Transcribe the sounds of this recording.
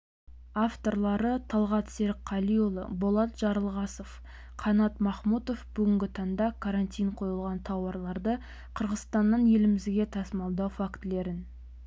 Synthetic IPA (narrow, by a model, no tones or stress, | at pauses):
aft̪o̞ɾlˠɑɾət̪ʰɑlˠʁɑt̪seɾɪqʰːɑlijolˠə̰bolˠɑt̪ʒ̥ɑɾəlˠʁɑsof | qʰɑnɑt̪mɑχmut̪ofbʏɡʲɪŋɡʲɪt̪ʰɑnd̪ɑkʰaɾant̪ʲijɴqʰo̞jəlˠʁɑnt̪ʰɑwɑɾlˠɑɾd̪ə | qʰəɾʁəzst̪ɑnːənje̞lɪmɪzɡʲe̞t̪ʰɑsəmɑlˠd̪ɑwfakt̪le̞ɾɪn